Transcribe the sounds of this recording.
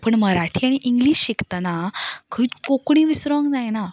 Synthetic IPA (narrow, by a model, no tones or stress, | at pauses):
pəɳməɾaʈʰiːaɽ̃iʔiŋɡliːɕɕikt̪anakʰiːkokɳ̃iːʋisɾoŋd͡zajna